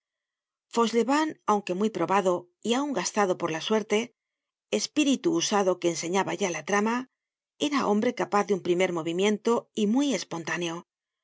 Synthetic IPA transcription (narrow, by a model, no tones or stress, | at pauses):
fo̞sleβanawŋke̞mjpɾo̞βaðo̞ | iauŋɡast̪aðo̞po̞ɾlaswe̞ɾt̪e̞ː | spiɾit̪uːsaðo̞ke̞ːnse̞ɲaβaʝalat̪ɾama | e̞ɾaʔo̞̰mbɾe̞kapaθðeumpɾime̞ɾmo̞β̞imjẽ̞nt̪o̞imwuije̞spo̞nt̪ane̞o̞